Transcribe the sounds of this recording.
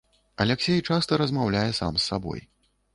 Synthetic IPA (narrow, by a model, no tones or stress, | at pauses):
ɐlʲɛksʲɛjt͡ʂast̪ɐɾɐzmawlʲajɛsa̰msːabɔ̰j